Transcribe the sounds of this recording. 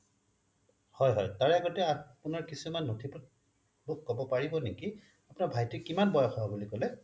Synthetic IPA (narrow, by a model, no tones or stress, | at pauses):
hɔjɦɔjtaɹaɡɔtɛapunaɹkisumanːotʰipɔt | bʊkːɔbɔpaɹibɔneki | apʊnaɹbʱajtikimanbɔjɔxɔɦabulikɔlɛ